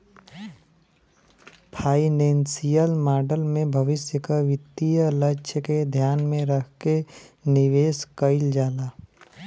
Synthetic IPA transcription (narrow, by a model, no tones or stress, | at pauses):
pʰaːinẽːnsijəlmaːɾɖəlmẽbʱəʋɪsjəkaʋɪt̪ːijələʃʰəked̪ʱjaːnmẽɾəkʰkenɪʋeːskəɪld͡ʒaːlaː